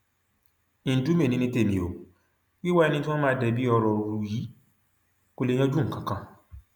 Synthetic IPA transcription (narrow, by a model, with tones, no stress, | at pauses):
ĩ˨n˨du˨˦me˦˨nĩ˧nĩ˧te˦˨nĩ˨o˨ | wi˦wa˦ɛ˧nĩ˧tĩ˦ɔ̃˦mãː˦dɛ˧˨bi˦ɔ˧ɾɔ˨ɾu˨ɾu˧ji˨˦ | ko˦le˧j̃ã˦d͡ʒũ˦ŋ̩˨kã˨kã˧